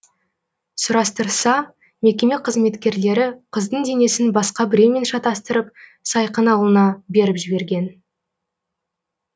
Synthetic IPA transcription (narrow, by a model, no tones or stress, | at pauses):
sʊɾɑst̪əɾsɑ | me̞kʲe̞me̞qʰəzme̞t̪kʲe̞ɾle̞ɾɪqʰəzd̪əɴd̪e̞ne̞sɪnbɑsqɑbɪɾeme̞nʃɑt̪ɑst̪əɾəp̚sɑjqənɑwlˠənɑbe̞ɾɪpʒɪbe̞ɾɡʲe̞n